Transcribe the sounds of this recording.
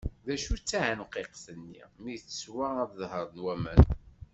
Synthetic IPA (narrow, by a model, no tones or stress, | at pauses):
ðæʃut͡sːaʕənqeqθənːḭmiθə̥swææðəðhəɾˤnwæmə̰n